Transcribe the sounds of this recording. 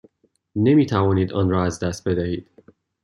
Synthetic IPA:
nemiːt̪ʰævɒːniːd̪ɒːnɾɒːæzd̪æst̪̚be̞d̪æhiːd̪̥

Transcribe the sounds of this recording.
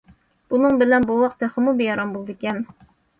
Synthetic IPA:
b̥unɨŋbɪlɛnbuwɑq̚t̪ɛχəmubejɑɾɑmbolˠd̪ɨkʲɛn

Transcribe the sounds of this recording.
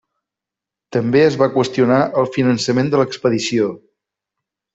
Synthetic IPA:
t̪əmbeəzβakwəst̪iunaʔəlˠfinənsəmend̪ələkspəðisio

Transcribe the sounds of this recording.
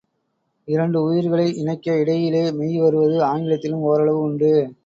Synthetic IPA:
ɪɾɐɳɖɯʊjɪɾɣɐɭɐɪʔɪnɐɪkːɐɪɽɐjɪleːmɛjʋɐɾɯʋɐðɯaːŋɡɪlɐt̪ːɪlɯmɔːɾɐɭɐʋɯʊɳɖɯ

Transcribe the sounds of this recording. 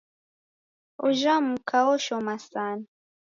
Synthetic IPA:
uʒamukʰawɔʃɔmasana

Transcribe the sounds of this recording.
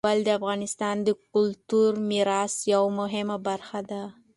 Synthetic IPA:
ald̪əafɣɑnɪst̪ɑnd̪əkʊlt̪uɾmiɾɑsjawmʊɦɪmabaɾxad̪a

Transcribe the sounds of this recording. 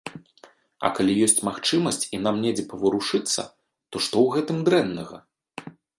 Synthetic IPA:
ɐ̰kalʲijɔsʲt͡sʲmaxt͡ʂɨmɐsʲt͡sʲin̪amnʲɛd͡zʲɛpɐvɐɾuʂɨt̪sːɐ̰ | t̪ɔʂt̪ɔwɣɛt̪ɨmd̪ɾɛnːɐɣɐ̰

